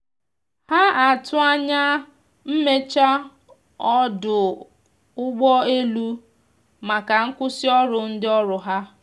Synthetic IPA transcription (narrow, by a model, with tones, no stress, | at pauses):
ha˦a˨tʊ˦a˦ɲa˦ | m̩˦me˦t͡ʃa˦ | ɔ˦dʊ˨ | ʊ˦ɡ͡bɔ˦e˦lu˦ | ma˨ka˨ŋ̩˦kʷʊ˦sɪ˦ɔ˦ɾʊ˨n̩˦dɪ˦ɔ˦ɾʊ˨ɦa˦